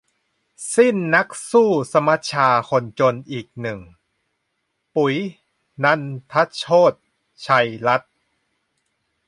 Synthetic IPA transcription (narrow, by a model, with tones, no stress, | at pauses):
si˥˩nːa˦˥k̚suː˥˩sa˧ma˦˥t̪̚t͡ɕʰaː˧kʰo˧nt͡ɕo˧nʔiː˨˩k̚nɯ˨˩ŋ | pu˩˦j | na˧˥nt̪ʰa˦˥t̪̚t͡ɕʰoː˥˩t̪̚ | t͡ɕʰa˧jla˦˥t̪̚